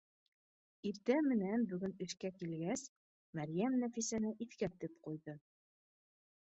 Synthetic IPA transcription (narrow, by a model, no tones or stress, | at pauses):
iɾt̪æmɘ̆nænbɵ̆ɡɵnɵ̆ʃkækilɡæs | mæɾjæmnæfisænɘʔiθkæt̪ɘpqujðɤ